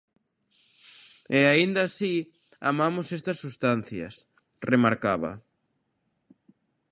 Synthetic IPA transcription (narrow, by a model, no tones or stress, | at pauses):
eaind̪asi | a̰mamʊsest̪ɐsːust̪an̟θjɐ̰s | remaɾkaβɐ̰